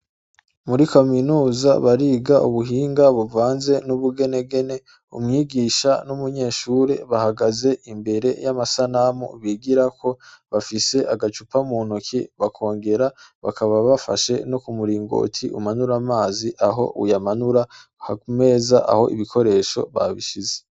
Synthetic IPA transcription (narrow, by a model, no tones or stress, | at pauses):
muɾikaminuːza̰βaɾiːɡaʔuβuɦiːŋɡaβuvaːnze̞nuβuɡe̞ne̞ɡe̞ne̞ | ṵmŋiːɡiːʃanumuɲe̞ːʃuɾe̞βahaɡaze̞ʔimbe̞ɾe̞̰jamasanamṵβiɡiɾakʰo̞βafise̞ʔaɡat͡ʃupamuːnukʰḭβakʰo̞ːŋɡe̞ɾaβa̰kʰaβaβafa̰ʃe̞nokumuɾiːŋɡo̞̰ːtʰiʔṵmanuɾamaːziʔaɦo̞̰ʔṵjamanuɾahaume̞ːzaʔa̰ho̞̰ʔḭβikʰo̞ɾe̞ːʃo̞̰βa̰βiʃize̥